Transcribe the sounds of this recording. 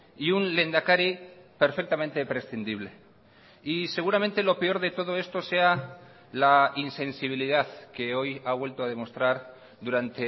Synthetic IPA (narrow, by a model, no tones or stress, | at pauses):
iunle̞nd̪akaɾipeɾfe̞k̚t̪amẽnt̪epɾe̞sθind̪iβ̞le̞ | ise̞ɣ̞uɾamẽ̞nt̪e̞lo̞pe̞o̞ɾðe̞t̪o̞ð̞o̞e̞st̪o̞se̞a | lainsẽ̞nsiβ̞iliðaðke̞o̞jaβwe̞lt̪oað̞e̞mo̞st̪ɾaɾ | ðuɾant̪e̞